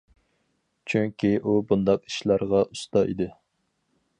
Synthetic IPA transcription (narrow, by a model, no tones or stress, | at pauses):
t͡ʃʰyŋkʲiʔubund̪ɑqi̥ʃlˠɑɾʁɑʔust̪ɑḭd̪ɪ